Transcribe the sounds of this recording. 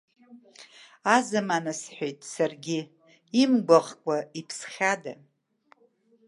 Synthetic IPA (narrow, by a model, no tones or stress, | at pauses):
azɨmanasħʷᶣejtʼsarɡʲɪ | imɡʷaʁkʷʼaipʰsχʲada̰